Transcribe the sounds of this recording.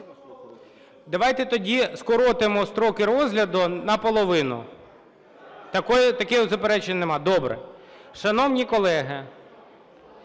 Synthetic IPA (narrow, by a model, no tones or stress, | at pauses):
d̪ɐʋajt̪ɛt̪ɔdʲiskɔɾɔt̪ɪmɔst̪ɾɔkɪɾɔzɦlʲɐd̪ʊnɐpɔlˠɔʋɪnʊ̰ | t̪ɐkɔjt̪ɐkɪjʊzɐpeɾɛt͡ʃenʲnemɑd̪ɔbɾɛ̰ | ʃɐnɔwnʲikɔlˠɛɦɪ